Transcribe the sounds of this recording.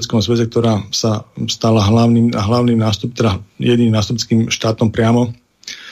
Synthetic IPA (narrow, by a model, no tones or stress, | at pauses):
t͡skɔmzʋɛzɛk̚t̪ɔɾaːsast̪alaɦlaʊniːmɦlaʊniːmnaːst̪up̚t̪ɛd̪ajɛd̪niːmnaːst̪upt͡skiːmʃt̪aːt̪ɔmpɾɪamɔ